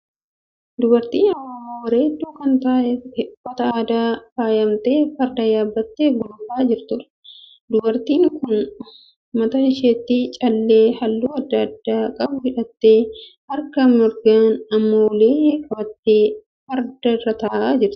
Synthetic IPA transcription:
d̪ʊbɐɾt̪iːnɐwaːmaːwɐɾeːd̪ːuːkɐnt̪aːʔfɔt̪ɐaːd̪aːfaːjɐmt̪eːfɐɾd̪ɐjaːbːɐt̪ːe̞ːɡʊlʊfaːd͡ʒɪɾt̪ʊɾɐ̥ | d̪ʊbɐɾt̪iːŋkʊn | mɐt̪ɐɪʃeːt̪ːit͡ʃʼɐlːe̞ːhɐlːuːɐd̪ːɐɐd̪ːaːkʼɐbʊhɪᶑɐt̪ːe̞ːhɐɾkɐmɪɾɡaːnɐmːowleːkʼɐbɐt̪ːeː | fɐɾd̪ɐrɐt̪ɐːʔaːd͡ʒɪɾt̪ɪ̥

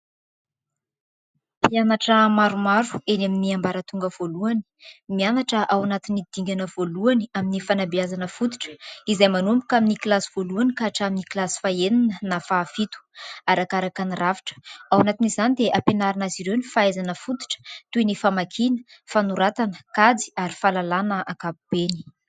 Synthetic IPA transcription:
pianaʈ͡ʂəmaɾumaɾu̥enaminiambaɾət̪uŋɡəv̥oluani̥mianaʈ͡ʂəʔawanat̪inid̪̥iŋɡʲanəv̥oluaniaminifanabiazanəfut̪i̥ʈ͡ʂə̥izajmanoamikaminiklasiv̥oluanikaʈ͡ʂaminiklasi̥faeninənafaːfit̪u̥aɾakaɾakaniraviʈ͡ʂə̥awanat̪inizanid̪eʔapenaɾanaziɾewnifaajzanəfut̪i̥ʈ͡ʂə̥t̪uinifamakʰinə̥fanuɾat̪anə̥kad͡zi̥aɾifalalanəʔakabub̥eni̥

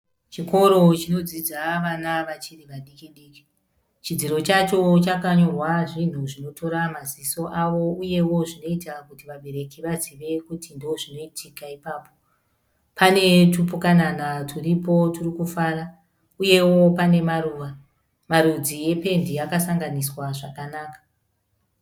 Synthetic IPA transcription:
t͡ʃiko̞ɾo̞t͡ʃino̞d͡zid͡zaʋanaʋat͡ʃiriʋaɗikiɗiːki̥ | t͡ʃid͡ziɾo̞t͡ʃat͡ʃo̞t͡ʃakaɲorwaʐin̤uʐino̞tʰo̞ɾamaziso̞ʔaʋo̞uje̞wo̞ʐino̞itakutiʋaɓe̞ɾe̞kiʋaziʋe̞kutindooʐino̞itʰikaipaːpo̞ | pʰane̞tupukananatʰuripo̞turikufara | uje̞wo̞pane̞maruːʋa | maɾud͡zije̞pe̞ndiakasaŋɡaniswaʐakanaːkḁ

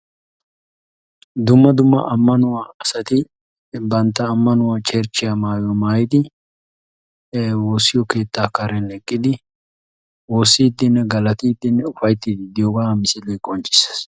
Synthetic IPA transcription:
d̪ʊmːɐd̪ʊmːɐ̰ʔɐmːɐnʊwaːɐsɐt̪ɪ | bɐnt̪ːɐːmːɐnʊwat͡ʃʼɛɾt͡ʃːɪjamaːjɔmaːjɪd̪ɪ | woːsːɪjɔke̞ːt̪ːaːkɐɾɛnɛkʼːɪd̪ɪ | wo̞ːsːiːd̪ːɪnːɛɡɐlɐt̪iːd̪ːɪnːɛʊfɐjt̪ːid̪ɪd̪ɪjoɡaːmɪsɪlɛjkʼɔnt͡ʃʼɪ̥s

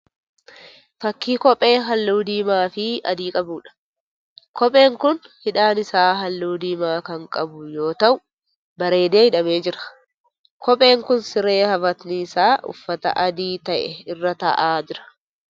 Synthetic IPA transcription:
fɐkːiːkɔpʼe̞ːɦɐlːuːd̪iːmaːfɪɐ̰d̪iːkʼɐbuːᶑɐ̥ | kʰɔpʼe̞ːŋkʊnhɪᶑaːnɪsaːɦɐlːuːd̪iːmaːkɐŋkʼɐbʊjo̞ːt̪ɐʔʊ | bɐɾe̞ːd̪e̞ːhɪᶑɐmeːd͡ʒɪɾɐ̥ | kʰɔpʼe̞ːŋkʊnsɪɾe̞ːhɐfɐt̪nɪɪsaːʔʊ̰fːɐt̪ɐ̰ʔɐd̪iːt̪ɐʔɛɪrːɐt̪ɐ̰ʔaːd͡ʒɪɾɐ̥

